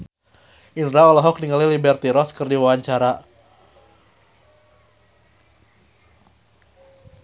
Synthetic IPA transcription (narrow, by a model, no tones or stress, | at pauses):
inɾaɔlɔɦɔk̚niŋalilibɛrt̪iɾɔskɨrdiwawaɲt͡ʃaɾa